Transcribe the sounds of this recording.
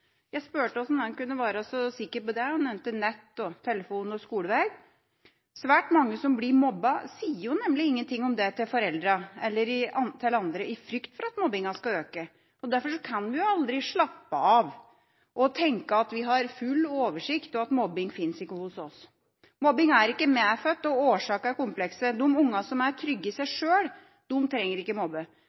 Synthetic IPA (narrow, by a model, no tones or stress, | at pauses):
jæɪspøːʈəɔsɔmɛnkʉnːəʋæːɾsɔsɪkːəɾpɔd̪ɛnɛʋnt̪ːɪlnɛt̪ːɔt̪ʰɛlːəfuːnɔskuːləʋæɡ | sʋæːʈmɑŋːəsɔmblɪɾmɔbːɑsiːəɾjʊnɛmːlɪɪŋːənt̪ʰɪŋːɔmd̪ɛt̪ʰɪlfɔɾɛld̪ɾɑɛlːəɾɪɑt̪ʰɛləɑnd̪ɾəʔɪfɾʏkt̪fɔɾɑt̪mɔbɪŋɑskɑøːkə | ɔd̪æɾfɔʂɔkʰɑnʋɪjʊɑld̪ɾɪʂɭɑpːəɑʋ | ʔɔt̪ʰɛŋkəɑt̪ʋɪɦɑɾfʉlːoːʋəʂɪkt̪ɔɑt̪mɔbːɪŋfɪnsɪkːəhʊsɔs | mɔbɪŋæɾɪkːəmeːfœt̪ːɔoːʂɑːkæɾkʊmpʰlɛksəd̪ʊmʊŋːɑsɔmæɾʈʰɾʏɡːəɪsæɪʂøːɽ | d̪̥ʊmt̪ʰɾɛŋːəɾɪkːəmɔbːə